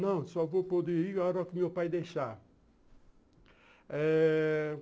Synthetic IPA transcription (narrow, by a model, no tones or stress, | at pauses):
nɐ̃w̃sɔvopod̪eɾiɔɾɔkumewpajd̪ejʃa | ɛ